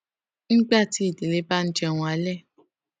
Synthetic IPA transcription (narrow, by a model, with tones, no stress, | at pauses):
n̩˦ɡ͡ba˦˨ti˦i˦˨de˨le˨˦ba˦n̩˦d͡ʒɛ˧˨w̃ũ˧˦a˦lɛ˦˨